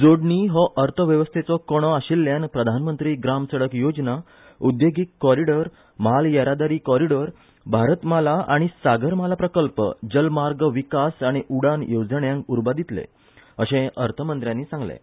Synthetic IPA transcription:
d͡zoɽɳiɦɔʔəɾt̪ʰəʋjəʋəst̪ʰet͡sɔkɔɽ̃ɔaɕilːjanpɾəd̪ʱanmənt̪ɾiːɡɾamsəɽəkjod͡zna | ud̪joɡikːɔɾiɽəɾ | məɦaljəɾad̪aɾiːkɔɾiɽəɾ | bʱaɾət̪malaʔa̰ɽ̃isaɡəɾmalapɾəkəlpə̰d͡ʑəlmaɾɡʋikasaɽ̃iʔuɽanjod͡zəɳjãŋkuɾbad̪it̪lḛ | əɕẽəɾt̪ʰəmənt̪ɾjãnːiːsãŋɡlḛ̃

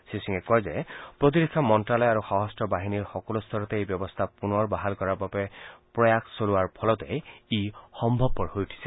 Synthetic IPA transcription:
sisiŋɛkɔjzɛpɹot̪̬idikʰːamɔntɹalɔjaɹuxaɦɔstʰɔbaɦiniɹxɔkɔlust̪ʰɔɹɔt̪ɛejbjɔbɔst̪ʰapunɔɹbaɦalkɔɹaɹbabɛpɹɔjaksoluaɹpʰɔlɔtɛixɔmbʱɔb̚kɔɹɦojutʰi̥sɛ

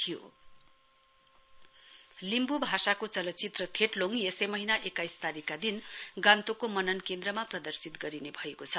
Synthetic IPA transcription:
t̪ʰijo̰ | limbubʱasakot͡sʌlʌt̪t͡sit̪rʌt̪ʰeʈloŋjesemʌɦinaʔekajst̪aɾikad̪inɡãnt̪okomʌnʌnkend̪rʌmaprʌd̪ʌrsit̪ɡʌɾinebʱʌekot͡sʰʌ

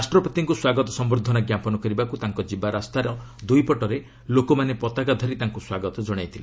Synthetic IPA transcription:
asʈɾɔpɔt̪iŋkuswaɡɔt̪ɔsɔmbɾud̪ʱɔnaɡjapɔnɔkɔɾibakut̪aŋkɔd͡ʒibaɾast̪aɾɔ | d̪ujpɔʈɔɾe | lokomanepɔt̪aɡad̪ʱɔɾit̪aŋkuswaɡɔt̪ɔd͡ʒɔɽ̃ajt̪ʰile

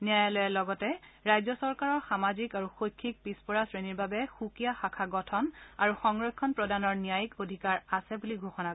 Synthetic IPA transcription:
niajalojɛlɔɡɔtɛɹajzɔsɔɹkaɹɔɹxamazikaɹuxojkʰːik̚pispɔɹasɹeniɹbabɛxukijaxakʰaɡɔtʰɔna̰ɹuxɔŋɹɔkʰːɔnpɹɔdanɔɹnijajkodʱikaɹasɛbuliɡʱoxɔna

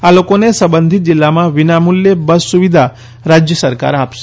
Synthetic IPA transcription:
alokonesəbənd̪ʱit̪̚d͡ʒilːamãʋinamuljebəsuʋid̪ʱa | ɾad͡ʒjəsəɾka̰ɾapʃe

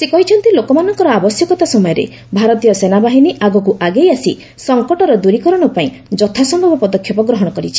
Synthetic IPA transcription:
sekɔɦit͡ʃʰɔnt̪ilokɔmanɔŋkɔɾɔabɔsjɔkɔt̪asɔmɔjɔɾḛ | bʱaɾɔt̪ijɔsenabaɦiniʔaɡɔkuʔaɡejasi | sɔŋkɔʈɔɾɔd̪uɾikɔɾɔɽ̃ɔpaĩ | d͡ʒɔt̪ʰasɔmbʱabɔpɔd̪ɔkʰjɔpɔɡɾɔɦɔɽ̃ɔkɔɾit͡ʃʰi̥

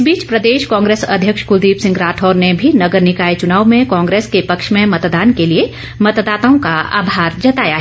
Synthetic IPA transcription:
biːt͡ʃpɾəd̪eːʃkɔ̃ːŋɡɾeːsɐ̰d̪ʱjəkʃkʊd̪iːpsɪ̃ŋɡɾaːʈʰɔːɾnebʱinɐɡəɾnɪkaːet͡ʃʊnaːʋmẽkɔ̃ːŋɡɾeːskepɐkʃmẽmɐt̪d̪aːnkelie | mɐt̪d̪aːt̪aõkaa̰ːbʱaːɾd͡ʒɐt̪aːjaɦ

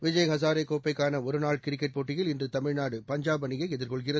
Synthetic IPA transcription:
ʋɪd͡ʒɐjɦɐs̬aːɾekːoːpːɐɪkːaːnɐɔɾɯnaːɭkɪɾɪkːɛʈ̚poːʈːɪjɪlɪndrɯt̪ɐmɪɻnaːɽɯpɐɲd͡ʒaːbɐnɪɣɐɪɛðɪɾkɔɭɣɪrɐ

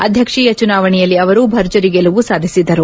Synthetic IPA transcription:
ɐd̪ʱjɐkʂiːjɐt͡ʃunaːʋɐɳɛjɐlːiɐʋɐɾubʱɐɾd͡ʒɐɾiɡeluʋusaːd̪ʱisid̪ɐɾu

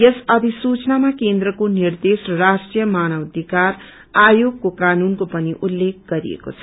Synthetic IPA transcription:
jʌsʌbʱisut͡snamakend̪ɾʌkonird̪esʌrasʈrijʌmanʌwd̪ʱikar | ajoɡ̚kokanunkopʌniʔulːek̚ɡʌɾḭḛko̰t͡sʰʌ

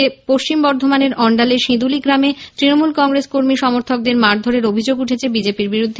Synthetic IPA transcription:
epoʃt͡ɕimbɔɾd̪ʱomaneɾɔɳɖaleʃĩd̪uliɡɾamet̪ɾinomulkɔŋɡɾeskoɾmiʃɔmoɾt̪ʰok̚d̪eɾmaɾd̪ʱoɾeɾobʱid͡ʑoɡuʈʰet͡ɕʰebid͡ʑepiɾbiɾud̪ʱːe

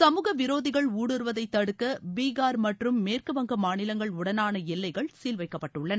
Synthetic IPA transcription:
sɐmuːɣɐʋɪɾoːðɪɣɐɭuːɽɯɾɯʋɐðɐɪt̪ːɐɽɯkːɐbiːɣaːɾmɐʈrɯmːeːrkɯʋɐŋɡɐmaːnɪlɐŋɡɐɭʊɽɐnaːnɐɛlːɐɪɣɐɭsiːlʋɐɪkːɐpːɐʈːɯɭːɐnɐ

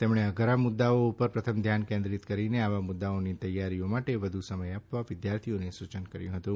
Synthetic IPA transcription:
t̪emɳ̃eəɡʱəɾamʊd̪ːaoupəɾpɾət̪ʰəmd̪ʱjankẽnd̪ɾit̪kəɾineaʋamʊd̪ːaonit̪əjːaɾiomaʈeʋəd̪ʱusəməjapʋaʋɪd̪jaɾt̪ʰijonesut͡ʃənkəɾjũɦət̪ũ

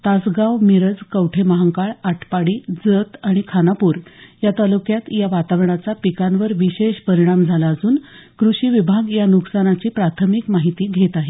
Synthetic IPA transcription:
t̪asɡawmiɾəd͡zkəwʈʰeməɦaŋkaɭaʈʰpaɽiːd͡zət̪aɽ̃ikʰanapuːɾjat̪alukjat̪jaʋat̪aʋɾɳ̃at͡sapikanʋəɾʋiɕeɕpəɾiɽ̃amd͡zʱalaːd͡zuːnkɾuɕiːʋibʱaɡjanuksanat͡ɕiːpɾat̪ʰəmikmaɦit̪iːɡʱet̪aɦe

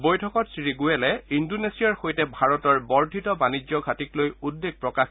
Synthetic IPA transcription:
bojtʰɔkɔtsɹiɡuɛlɛindonesiaɹxojtɛbʱaɹɔtɔɹbɔɹdʱitɔbanid͡ʑjɔɡʱatiklojudːeɡ̚pɹɔkax

